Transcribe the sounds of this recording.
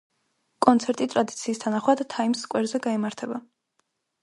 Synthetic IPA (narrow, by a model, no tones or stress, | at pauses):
kʼɔnt̪sʰɛɾt̪ʼit̪ʼɾad̪it̪sʰiːst̪ʰanaχwad̪̥t̪ʰːaimskʼwɛɾzɛɡaimaɾt̪ʰɛba